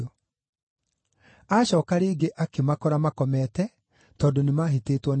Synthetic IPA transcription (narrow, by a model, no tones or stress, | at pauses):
aɕɔːkaɾeːɡeʔakemakɔɾamakɔmɛtɛ | tɔːndonemaɦeteːtwɔn